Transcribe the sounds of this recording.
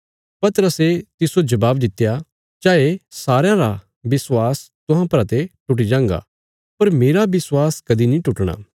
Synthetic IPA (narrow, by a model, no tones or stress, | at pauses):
pɐt̪əɾəset̪ɪsod͡ʒɐbaːbd̪ɪt̪ːja | d͡ʒaːesaːɾjãɾa | bɪswaːs | t̪ʊɦãpɾat̪eʈʊʈ̬id͡ʒãːŋɡa̰ | pɐɾmeːɾabɪswaːskɐd̪inĩʈʊʈɽ̃a̰ː